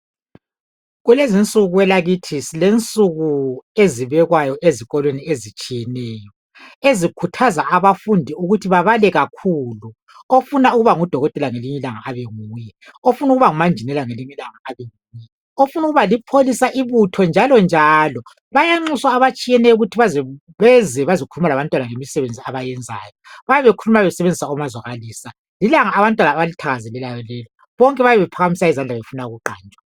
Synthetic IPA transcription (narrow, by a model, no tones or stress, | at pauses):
ɣulezint͡sʼuɣuwɛlaɣitʰisilent͡sʼuɣueziβɛɣwajɔʔeziɣɔlweniezit͡ʃʼijɛnɛːjɔ | ezikʰutʰazaʔaβafundʱiuɣutʰiβaβalɛɣakʰuːlu | ofunauɣuβaŋud̥ʱɔɣɔtʼɛlaŋeliɲɛlaŋaʔaβeŋuːjɛofunuɣuβaŋumand͡ʒʱinɛlaŋeliɲɛlaŋaʔaβeŋuːjɛ | ofunuɣuβalipʰolisaʔiβutʰɔnd͡ʒʱalɔnd͡ʒʱalɔ | βajaŋ͡ǀiswaːβat͡ʃʼijɛnɛuɣutʰiβazɛ | βɛzɛβazokʰulumalaβantʼwanaŋemisɛβend͡zʱiaβajɛnd͡zʱa̰jɔβajɛβekʰulumaβɛsɛβend͡zʱisaumazwaɣaliːsa | lilaŋaːβantʼwanaːβalitʰaɣazɛlɛlajɔlɛːlɔ | βɔŋkʼɛβaβɛβɛpʰaɣamisaizand͡ɮʱaβefunauɣuǃa̰ːnt͡ʃʼwḁ